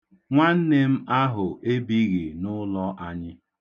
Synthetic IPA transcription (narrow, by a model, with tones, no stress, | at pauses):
ŋʷa˦n̩˦ne˦m̩˦a˦ɦʊ˨ʔe˦bi˦ɣi˨nʊ˦lɔ˦ʔa˦ɲɪ˦